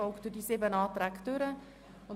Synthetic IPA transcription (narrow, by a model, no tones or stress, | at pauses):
ɔlkd̥ydiːsɪbənɑːt̪ɾækd̥ʏɾə | ʊn